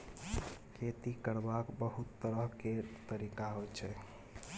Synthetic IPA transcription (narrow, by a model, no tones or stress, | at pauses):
kʰet̪ikəɾbakbəɦut̪ːəɾəɦket̪əɾikaɦojt͡ʃʰɛ